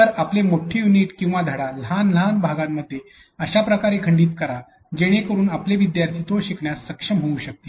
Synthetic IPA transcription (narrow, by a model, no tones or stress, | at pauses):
t̪əɾaplemoʈʰejuniːʈkĩw̃ʋad̪ʱəɽalɦanl̤anbʱaɡãmːəd̪ʱːje | əɕapɾəkaɾekʰəɳɖiːt̪kəɾa | d͡ʑeɽ̃ekəɾuːnapleʋid̪jaɾt̪ʰit̪oɕikɳjasːəkʂəmɦouɕək̚t̪i